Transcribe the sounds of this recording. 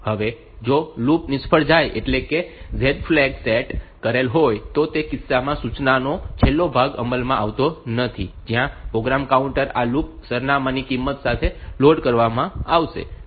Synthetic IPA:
həʋe | d͡ʒolupnɪspʰəɭd͡ʒajʔḛʈlekezeɖflɛkseʈkəɾelɦojt̪ot̪ekɪsːamãsut͡ʃnanot͡ʃʰelːobʱaɡə̰məlmãʔaʋt̪onət̪ʰid͡ʒjãpɾoɡɾamkauɳʈəɾalup̚səɾnamãnikimːət̪sat̪ʰeloɖkəɾʋamãaʋʃḛ

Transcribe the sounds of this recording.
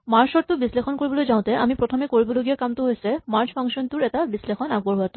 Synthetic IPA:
maɹsɔɹt̪ubislexʰɔnkoɹibɔlojzaw̃t̪ɛʔamipɹotʰɔmekoɹibɔloɡijakamt̪uɦojsɛmaɹspʰaŋsɔnt̪uɹɛtabislexʰɔnaɡ̚bɔɹɦoat̪ʊ̥

